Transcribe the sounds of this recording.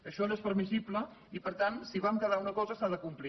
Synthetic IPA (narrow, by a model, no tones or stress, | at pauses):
əʃɔlespəɾmisiplə | ipəɾt̪ansiβamkəðaunəkɔzəsaðəkumpli